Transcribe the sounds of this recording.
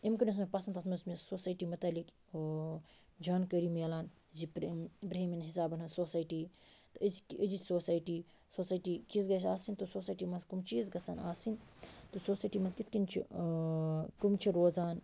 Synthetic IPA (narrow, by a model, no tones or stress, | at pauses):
imkɐnis̬mɐpɐsɐnt̪ʰɐt̪mɐsmisoːsaːʈiːmɐt̪ɐːlik | d͡ʒaːnkəɾimelaːn | zipɾpɾeɦiminɦisaːbɐnɦɐnsoːsaːjʈiːt̪ɨəzkəzisoːsaːjʈiː | soːsaːjʈiːkizɡɐs̬aːsint̪usoːsaːjʈiːmɐskumt͡ʃiːzɡɐsɐnaːsint̪osoːsaːjʈiːmɐzkit̪ʰkint͡ʃʰi | kumt͡ʃʰiɾoːzaːn